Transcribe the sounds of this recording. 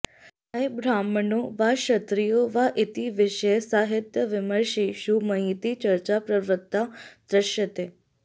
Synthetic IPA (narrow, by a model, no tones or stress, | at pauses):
əjbɾamnoʋaʃət̪ɾijoʋaʔɪt̪iʋɪʃesaɦɪt̪jəʋɪməɾʃiʃuməɦit̪it͡ʃəɾt͡ʃapɾəʋɾət̪ːad̪ɾəʃət̪e